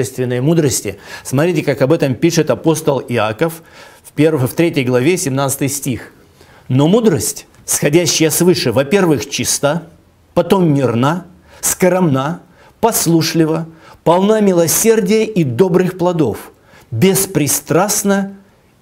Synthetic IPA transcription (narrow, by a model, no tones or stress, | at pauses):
ɛst̪vʲɪnːəjəmud̪ɾəsʲtʲɪ̰smɐt̪ɾʲitʲɪkakɐbɛt̪əmpʲiʂɨt̪ɐpo̞st̪əlˠɪa̰kəffpʲervəft̪ɾʲetʲəjɡlˠɐvʲesʲɪmnat̪sɨ̥t̪ɨjsʲtʲix | nomud̪ɾəsʲtʲ | sxɐdʲæɕːɪjəsvɨʂɨvɐpʲe̞rvɨxt͡ɕist̪a | pɐt̪omːʲɪrna | skəɾɐmna | pɐslˠuʂlʲɪvəpɐlˠnamʲɪlˠɐsʲerdʲɪjəʔid̪o̞bɾɨxplˠɐd̪o̞f | bʲɪspɾʲɪst̪ɾasnə